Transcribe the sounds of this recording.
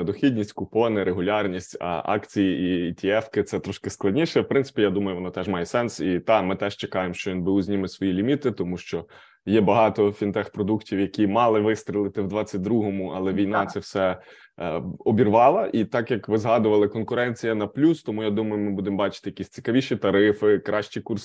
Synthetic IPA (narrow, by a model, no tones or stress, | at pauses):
d̪ɔxʲidʲnʲisʲtʲkʊpɔnɪɾʔeɦʊlʲɑrnʲisʲtʲɐ̰ʔɑ̰kt͡sʲijiiit̪ʲiɛfkɪt̪sɛt̪ɾɔʃkɪsklˠɐdʲnʲiʃɛwpɾɪnt̪sɪ̥pʲijad̪umɐjʊʋɔnɔt̪ɛʒmɑjɛsɛnsit̪ɑmɪt̪ɛʒt͡ʃekɑjemʃt͡ʃɔʋinbɪwzʲnʲimɪsʋɔjilʲimʲit̪ɪt̪ɔmuʃt͡ʃɔ | jɛbɐɦɑt̪ɔfʲint̪ɛxpɾɔd̪uktʲiwjɐkʲimɑlˠɪʋɪst̪ɾʲilˠɪt̪ɪwd̪ʋɑt͡sʲːɐt̚ʲd̪ɾuɦɔmʊɑlˠɛʋʲijnɑt̪sɛwsɛ | ɔbʲirʋɑlˠɐʔit̪ɑkjɐkʋɪzɦɑd̪ʊʋɐlˠɪkɔnkʊɾɛnʲt͡sʲijɐnɐplʲust̪ɔmujad̪umɐjʊmɪbud̪embɑt͡ʃɪ̥t̪ɪjɐkʲisʲt͡sʲi̥kɐʋʲiʃit̪ɐɾɪfɪkɾɑʃt͡ʃikurs